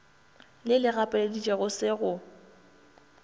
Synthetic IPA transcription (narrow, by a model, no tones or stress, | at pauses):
lɪlɪɣapʼeledit͡ʃʼeɣʊsɪɣʊ